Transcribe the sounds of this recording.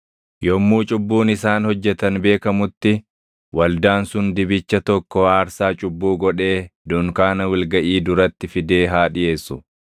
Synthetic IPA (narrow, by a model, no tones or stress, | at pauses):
jɔmːuːt͡ʃʼʊbːuːnɪsaːnhɔd͡ʒːɛt̪ɐnbe̞ːkɐmʊt̪ːɪ | wɐld̪aːnsʊnd̪ɪbɪt͡ʃːɐt̪ɔkːɔaːɾsaːt͡ʃʼʊbːuːɡɔᶑe̞ːd̪ʊŋkaːnɐwɪlɡɐʔiːd̪ʊɾɐt̪ːɪfɪd̪e̞ːɦaːᶑɪʔe̞ːsːʊ